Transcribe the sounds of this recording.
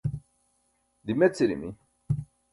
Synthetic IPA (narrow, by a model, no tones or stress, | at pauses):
d̪imet͡sːiɾḭmḭ